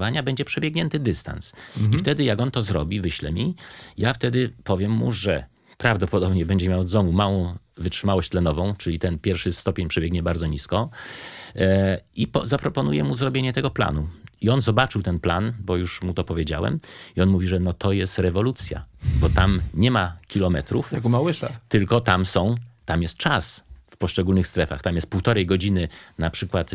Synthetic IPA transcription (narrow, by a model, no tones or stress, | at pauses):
vaɲabɛɲd͡ʑɛpʂɛbʲjeɛɡɲɛnt̪ɘd̪ɘst̪a̰nsift̪ɛd̪ɘjaɡɔnt̪ɔzɾɔbʲivɘɕlɛ̰mʲijaft̪ɛd̪ɘpɔvʲjɛmːṵʐɛ | pɾavd̪ɔpɔd̪ɔbɲɛbɛɲd͡ʑɛmʲjaw̪zɔmumawɔ̃w̃ | vɘtʂɘmawɔɕt͡ɕt̪lɛnɔvɔ̃w̃t͡ʂɘlʲit̪ɛnpʲjɛɾfʂɘst̪ɔpʲjeɲpʂɛbʲjɛɡɲɛbaɾd̪zɔɲiskɔ | ipɔzapɾɔpɔnujɛmuzɾɔbʲjeɲɛt̪ɛɡɔpla̰nuiɔnzɔbat͡ʂɘwt̪ɛnpla̰nbɔjuʂmut̪ɔpɔvʲjed͡ʑa̰wɛ̰miɔnmuvʲiʐɛnɔt̪ʰɔjɛst̪ɾɛvɔlut̪sʲja̰bɔt̪amɲɛmakʲilɔmɛt̪ɾufakumawɪʃat̪ɘlkɔt̪amsɔ̃w̃t̪amjɛst̪̚t͡ʂasfpɔʂt͡ʂɛɡulnɘxst̪ɾɛfa̰xt̪amjɛst̪̚puwt̪ɔɾɛjɡɔd͡ʑinɘnapʂɘkwat̪